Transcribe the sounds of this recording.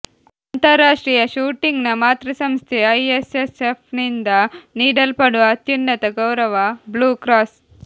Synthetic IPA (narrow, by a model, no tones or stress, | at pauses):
ant̪ɐɾːaːʂʈɾiːjɐʃuːʈiŋɡnɐmaːt̪ɾɐsɐmst̪ʰeɐjesesepʰnind̪ɐniːɽɐlpɐɽuʋɐːt̪junːɐt̪ɐɡɐwɾɐʋɐbluːkɾaːs